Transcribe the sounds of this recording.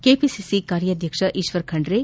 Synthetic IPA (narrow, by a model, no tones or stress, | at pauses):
kepisisikaːɾjɐd̪ʱjɐkʂɐʔiʃʋɐɾkʰɐɳɖɾe